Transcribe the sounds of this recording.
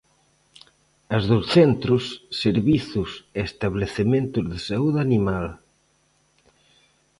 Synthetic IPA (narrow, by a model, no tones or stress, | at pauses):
ɐzðosθent̪ɾʊsːeɾβiθʊseest̪aβleθemẽnt̪ʊzðesauðanimal